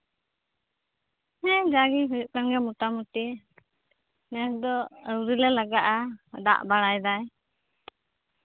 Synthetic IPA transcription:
hɛ̃d͡ʒaɡiɦəʔ̚kanɡɛmuʈamuʈi | nɛsd̪ɔəuɾilɛlaɡaʔad̪a̰ʔbaɽajd̪aj

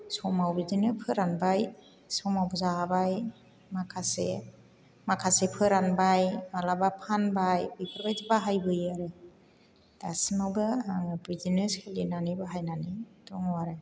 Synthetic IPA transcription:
sɔmawbidinɯpʰɯɾanbaj | sɔmawbzaabaj | makʰasḛ | makʰasepʰɯɾanbajmalabapʰanbajbɯjpʰɯɾbajtibaɦajbɯjaɾɯ | d̥asinawbɯaŋbɾizineskʰelinanibaɦajnanitɔŋwaɾaj

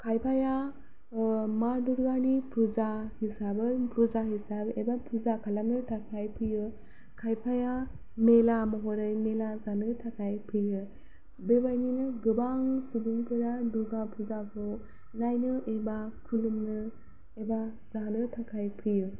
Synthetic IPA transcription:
kʰajpʰaja | maduɾɡanipɾuzahisabɯpɾuzaɦisabebapuzakʰalamnɯtʰakʰajpʰɯjɯ | kʰajpʰaja | melamɔɦɔɾɯjmelazanɯtʰakʰajpʰɯjɯ | bebajninɯɡɯbaŋsubuŋpʰɯɾaduɡapʰuzakʰɔ | najnɯʔebakʰulɯmnɯ | eba | zanɯtʰakʰajpʰɯjɯ

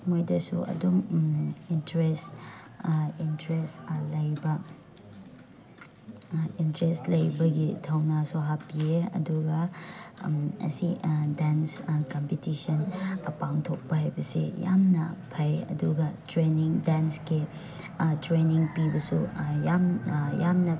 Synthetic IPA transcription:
mojdɐsṵɐ̰duŋintɾest | intɾestlɐjbɐ | intɾestlɐjbɐɡitʰɐwnasuɦapieɐ̰duɡɐ | ɐ̰sidanskɐmpitisɐnɐpaŋtʰok̚pɐɦajbɐsḛja̰mnɐpʰɐjɐ̰duɡɐtɾeniŋdanski | tɾeniŋpibɐsujamjamnɐ

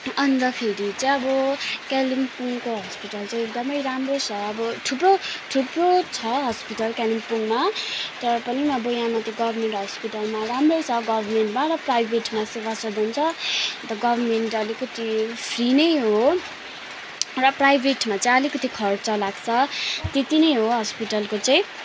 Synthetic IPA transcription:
ʌnd̪ʌkʰeɾit͡sʌ̃ʌbʌkalimpuŋkoɦʌspiʈʌlt͡sãj̃ek̚d̪ʌmʌjɾamrot͡sʰʌːbʌʈʰuproʈʰuprot͡sʰʌɦʌspiʈʌlkalimpuŋmat̪ʌɾʌpʌniʌbojãmat̪iɡʌbʱʌrmeɳʈɦʌspiʈʌlmaramrot͡sʰʌɡʌbʱʌrmeɳʈmaɾʌprajbʱeʈmasebʌsʌd̪ʱunt͡sʰʌt̪ʌɡʌbʱʌrmeɳʈʌlikʌt̪ʰipʰrinʌjɦo | rʌprajbʱeʈmat͡sãj̃ʌlikʌt̪ikʰʌrt͡sʰʌlaɡt͡sʰʌt̪et̪inʌjɦoɦʌspiʈʌlkot͡saĩ

